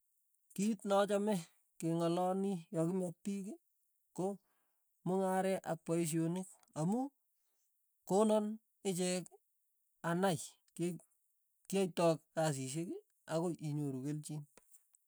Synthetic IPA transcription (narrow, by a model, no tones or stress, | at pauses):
kitnɔt͡ʃɔmɛ | keŋɔlɔnijɔkɪmɛk̚piki | ko | mʊŋaɾɛʔak̚pɔis̬jonɪk | amu | konɔn | ɪt͡ʃɛk | anaj | k | kiajtɔk̚kas̬iʃ̬eki | akoʔiɲoɾukelt͡ʃin